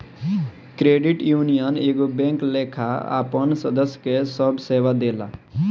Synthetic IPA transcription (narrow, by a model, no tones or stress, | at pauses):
kɾeːɖɪʈjuːnijəneːɡobẽːŋkleːkʰaa̰ːpənsəd̪əsːjkesəbʱseːʋad̪eːla̰